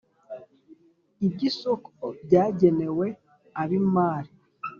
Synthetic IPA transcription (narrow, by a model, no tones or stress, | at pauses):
ibɟisokʰobɟaːɟene̞we̞ | aβimaːɾi